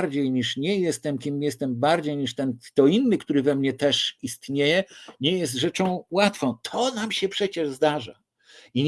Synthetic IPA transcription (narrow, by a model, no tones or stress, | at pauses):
ɾd͡ʑejɲiʂɲɛjɛst̪ɛmkʲimjɛst̪ɛmbaɾd͡ʑejɲiʂt̪ɛnt̪ɔinːɘkt̪uɾɘvɛmɲɛt̪ɛʂist̪ɲejɛɲɛjɛst̪ʐɛt͡ʂɔ̃w̃wat̪fɔ̃w̃t̪ʰɔnamɕɛpʂɛt͡ɕɛʐzd̪aʐa̰ | iɲ